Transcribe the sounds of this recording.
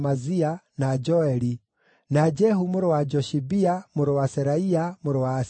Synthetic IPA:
mazianad͡ʒɔɛɾi | nad͡ʒɛhumʊɾɔwad͡ʒɔʃibiamʊɾɔwasɛɾaiamʊɾɔwaːs

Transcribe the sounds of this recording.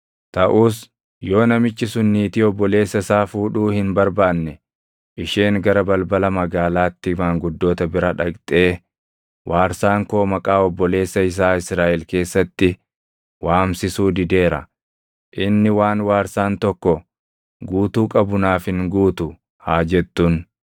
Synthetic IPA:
t̪ɐʔuːs | jo̞ːnɐmɪt͡ʃːɪsʊnːiːt̪ɪɔbːɔle̞ːsːɐsaːfuːᶑuːhɪnbɐɾbaːnːɛ | ʔɪʃeːŋɡɐɾɐbɐlbɐlɐmɐɡaːlaːt̪ːɪmaːŋɡʊd̪ːo̞ːt̪ɐbɪɾɐᶑɐkt̪ʼe̞ː | wʔaːɾsaːŋko̞ːmɐkʼaːɔbːɔle̞ːsːɐɪs̬aːɪsɾaːʔɛlke̞ːsːɐt̪ːɪ | waːmsɪsuːd̪ɪd̪e̞ːɾɐ̰ | ʔɪnːɪwaːnwaːɾsaːnt̪ɔkːɔ | ɡuːt̪uːkʼɐbʊnaːfhɪŋɡuːt̪ʊ | haːd͡ʒɛt̪ːʊn

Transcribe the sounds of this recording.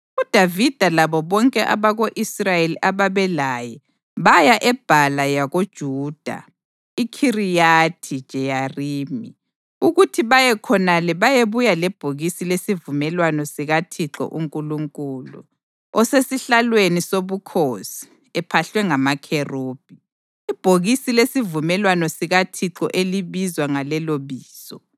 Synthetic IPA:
ud̥ʱavid̥ʱalaβɔβɔŋkʼɛʔa̰βaɣoʔisrajeliʔaβaβɛlajɛ | βajaʔɛb̥ʱalajaɣod̥ʒ̥ʱuːd̥ʱa̰ | ikʰirijatʰid̥ʒ̥ʱɛjariːmi | uɣutʰiβajɛkʰɔnalɛβajeβujalɛb̥ʱoɣisilesivumɛlwanɔsiɣatʰiǁɔ̰ʔuŋkʼuluŋkʼuːlṵ | ɔsesiɬalwenisoβukʰosi̥ | ɛpʰaɬwɛŋamakʰeroːb̥ʱi | ib̥ʱoɣisilesivumɛlwanɔsiɣatʰiǁɔ̰ʔeliβizwaŋalɛloβiːsɔ

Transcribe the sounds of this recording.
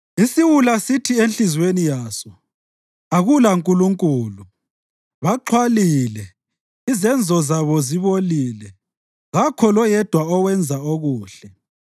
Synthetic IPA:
isiwulasitʰienɬizwenijaːsɔ | aɣulaŋkʼuluŋkʼuːlu | βaǃʰwalilɛ | izɛnd͡zʱɔzaβɔziβolilɛ | ɣakʰɔlɔjɛd̥ʱwaɔwɛnd͡zʱaoɣuːɬɛ

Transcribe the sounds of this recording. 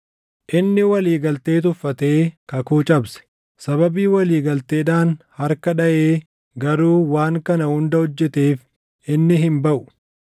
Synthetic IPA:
ʔɪnːɪwɐliːɡɐlt̪e̞ːt̪̬ʊfːɐt̪e̞ːkɐkuːt͡ʃʼɐbsɛ̥ | sɐβɐbiːwɐliːɡɐlt̪e̞ːᶑ̪aːnhɐɾkɐᶑɐʔeː | ɡɐɾuːwaːŋkɐnɐhʊnd̪ɐhɔd͡ʒːɛt̪eːf | ʔɪnːɪɦɪmbɐʔʊ̥

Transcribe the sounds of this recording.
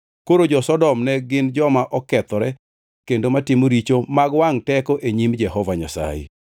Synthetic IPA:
koɾod͡ʒɔsɔdɔmnɛɡɪnd͡ʒɔmaʔɔkɛt̪ɔɾɛ | kendomatɪmoɾit͡ʃomaɡwaŋtɛkɔʔeɲimd͡ʒɛhɔvaɲasa̰jḛ

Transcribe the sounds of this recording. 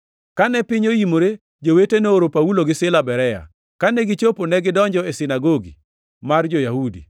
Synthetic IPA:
kanɛpɪɲoimoɾe | d͡ʒoweteneoɾopauloɡɪsɪlabɛɾɛja̰ | kanɛɡɪt͡ʃoponɛɡɪdɔɲd͡ʒɔesɪnaɡoɡḭ | mard͡ʒojahudḭ

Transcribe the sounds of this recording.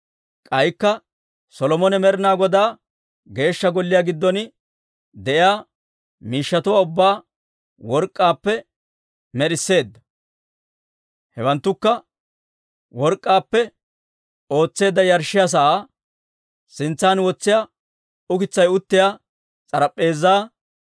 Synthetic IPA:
kʼɐjkːɐ | sɔlɔmɔnɛmɛɾɪnaːɡɔd̪aː | ɡe̞ːʃːɐɡɔlːɪjaːɡɪd̪ːɔn | d̪ɛʔɪjaː | miːʃːɐt̪ʊwaːʊbːaː | wɔɾkʼːaːpːɛ | mɛɾɪsːe̞ːd̪ːɐ̥ | hɛwɐnt̪ːʊkːɐ | wɔɾkʼːaːpːɛ | o̞ːt͡sːe̞ːd̪ːɐjɐɾʃɪjaːs̬ɐʔaː | sɪnt͡sːaːnwɔt͡sːɪjaː | ʊkɪt͡sːɐjʊt̪ːɪjaː | t͡sʼɐɾɐpʼːe̞ːzːaː

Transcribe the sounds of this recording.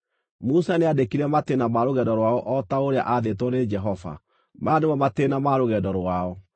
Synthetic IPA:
musaneadekiɾɛmatenamaɾoɣɛdɔɾwaɔʔɔtaoɾea̰ʔaðetwɔned͡ʒɛɦɔva̰ | manemɔmatenamaɾoɣɛdɔɾwaɔ

